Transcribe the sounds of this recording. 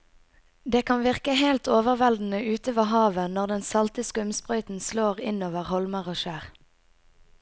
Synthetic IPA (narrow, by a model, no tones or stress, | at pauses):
d̪eːkʰɑnʋɪʁkəheɪlt̪oːʋəʁʋɛld̪n̩əʔʉːt̪əʋəɦɑːʋənɔʁd̪ɛnsɑlt̪əskʉmspʁœʏt̪n̩sloːʁɪnoːʋəʁhɔlməʁoːʃæːʁ